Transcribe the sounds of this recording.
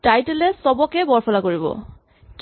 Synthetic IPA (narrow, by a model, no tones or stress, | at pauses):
tajtelɛsɔbɔkɛbɔɹpʰɔlakoɹibɔ̰ | k